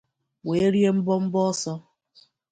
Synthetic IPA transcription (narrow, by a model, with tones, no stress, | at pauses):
we˨˦ɾje˦m̩˦bɔ˦m̩˦bɔ˦sɔ˦